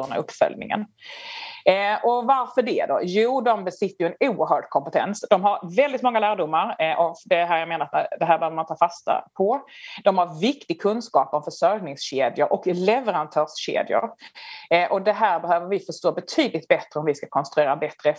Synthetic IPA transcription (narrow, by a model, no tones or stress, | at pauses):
na̰ɵpːfœ̰lnɪ̰ŋə̰n | ʔɔvaɾfœɖɛd̪ɔ̰juːd̪ɔmbɛsɪt̪ːəjɵɛnuːəɾɦœːɖkʰɔmpɛt̪ʰɛ̰nsd̪ɔmɦaɾvɛld̪ɪt̪mɔŋːalæːɖʊmːaɾʔɔd̪ɛɦæːɾjameːnaɾat̪d̪ɛɦæːɾbɛhøvəmant̪ʰɑːfast̪a̰pʰɔd̪ɔmhaɾvɪkt̪ɪɡ̚kʰɵnskɑːpɔmfœʂœɾjnɪŋsɕeːd̪jʊɾʔɔklɛvɛɾant̪ʰœːʂɕḛːd̪jʊ̰ɾ | ʔɔd̪ɛɦæːɾbɛhøːvəɾvɪfœʂtoːbɛt̪ʰyːd̪lɪt̪̚bɛt̪ɾəɔmvɪskakʰɔnst̪ɾɵeːɾabɛt̪ɾə